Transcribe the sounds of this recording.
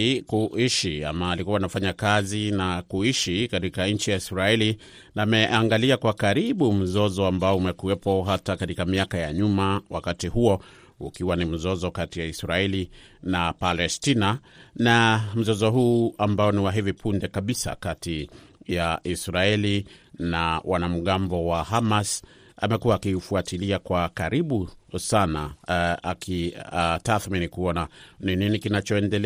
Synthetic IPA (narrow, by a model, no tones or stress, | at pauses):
kuʔiʃia̰maːlikuwanafaɲakazinakuiʃikatikaɲ̩t͡ʃijaisɾaɛli | namɛʔaŋɡaliakwakaɾiɓum̩zɔzɔambaɔumɛkuɛpɔɦatakatikamiakajaɲumawa̰katihuɔ | ṵkiwanim̩zɔzɔkatijaisɾaɛli | napalɛstinanam̩zɔzɔɦuːambaɔniwaɦivipʰundɛkaɓisa̰kati | jaʔisɾaɛlinawʔanam̩ɠambɔwahamas | amɛkuwaːkiufuatiliakwakaɾiɓusana̰akitaθminikuɔnanininikinat͡ʃɔɛndɛlɛ